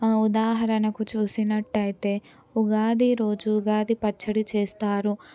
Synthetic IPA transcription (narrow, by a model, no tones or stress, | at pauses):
ud̪aːɦɐɾɐnɐkut͡ʃuːsinɐʈːɐjit̪e̞ː | uɡaːd̪iɾo̞ːd͡ʒuːɡaːd̪ipɐt͡ʃːɐɽit͡ʃeːst̪aːɾu